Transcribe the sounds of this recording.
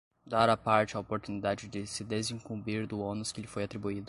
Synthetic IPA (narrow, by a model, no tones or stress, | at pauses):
d̪aɾapaɾt͡ʃɪaopoɾt̪unid̪ad͡ʒɪd͡ʒɪsɪd̪ezĩŋkũbiɾd̪ʊonʊskɪelɪfojat̪ɾibuid̪ʊ